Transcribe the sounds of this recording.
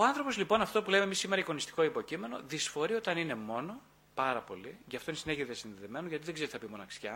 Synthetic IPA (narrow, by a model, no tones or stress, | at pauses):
oɐnθɾo̞po̞zlipo̞nɐft̪o̞pule̞memisime̞ɾɐiko̞nist̪i̥ko̞ipo̞cime̞no̞̰ðisfo̞ɾio̞t̪ɐnine̞mo̞no̞ | pɐɾɐpo̞̰liʝɐft̪o̞inesineʝiðiɐsinðeðe̞me̞noʝɐt̪iðe̞ɡze̞ɾiθɐpimo̞nɐksçɐ